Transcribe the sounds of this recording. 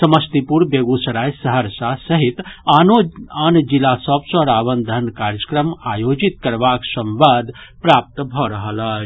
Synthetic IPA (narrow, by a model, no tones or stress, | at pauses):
səməst̪ipuɾbeɡusəɾajsəɦəɾsasəɦit̪anoand͡ʒilasəbsɔɾaβənd̪ʱənkaɾjəkɾəmajod͡ʒit̪̚kəɾbaksəmʋad̪pɾap̚t̪bʱɔɾəɦələ